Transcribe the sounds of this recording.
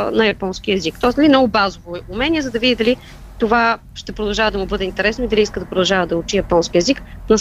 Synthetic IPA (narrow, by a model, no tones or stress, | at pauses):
nɐjɐpɔnskʲiɛzikt̪ɔsnɐlimnɔɡʊbazovoumɛnʲiɛzɐd̪ɐvid̪id̪ɐli | t̪ova | ʃt̪ɛpɾod̪ɐlˠʒavəd̪ɐmubɤd̪ɛint̪ɛɾɛsnoid̪ɐliiskəd̪ɐpɾod̪ɐlˠʒavəd̪ɐʊt͡ʃijɐpɔnskʲiɛziknɐs